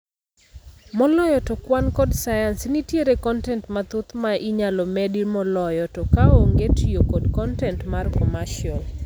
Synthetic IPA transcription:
mɔlɔjɔtɔkwankɔdsajansnitjeɾekɔntɛntmat̪ʊt̪maʔiɲalɔmɛdimɔlɔjɔtɔkaoŋɡetiokɔdkɔntɛntmarkɔmaʃjɔl

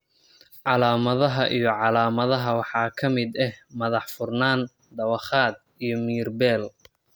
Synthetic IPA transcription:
ʕɑlaːmɐðɐɦɐʔijɞʕɑlaːmɐðɐɦɐwɑħɑːkʰɐmɪd̪ɛhmɐðɑħfʊrnaːn | d̪ɐwɑχaːd̪̚ | ijɞmiːrbɛːl

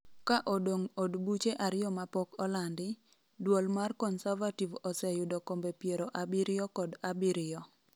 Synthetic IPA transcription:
kaʔodoŋodbut͡ʃeʔaɾɪjɔmapɔkɔlandɪ | dwolmarkɔnsavativɔsɛjʊdɔkombepjeɾoʔabiɾɪɔkɔdabiɾɪɔ

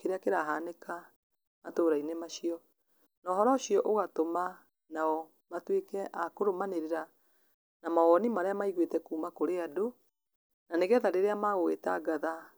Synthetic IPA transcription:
keɾeakeɾaɦaneka | matoːɾainemaʃiɔ | nɔːɦɔɾɔɕiɔʔoɣatoma | naɔ | matwekɛʔakoɾomaneɾeɾa | namaɣɔnimaɾeamaiɣwetɛkuːmakoɾeado | naneɣɛðaɾeɾeamaɣowḛtaɡaða

